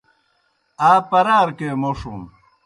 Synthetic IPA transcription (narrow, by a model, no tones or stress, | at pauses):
aːpɐɾaːɾkemoʂum